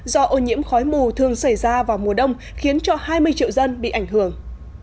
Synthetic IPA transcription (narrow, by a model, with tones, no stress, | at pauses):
zɔ˧ʔo˧˩ɲḭ˧˥əmxɔ˨˦jmu˨˩t̪ʰɨ˨˩əŋsa˧˩jzaː˧vaː˨˩wmu˨˩əɗə˧wŋ͡m | xi˨˦ənt͡ɕɔ˧haː˧jmɨ˧əjt͡ɕḭ˧˨wzə˧nɓḭ˧˨ʔa˧˩jŋ̟hɦɨ˧˩əŋ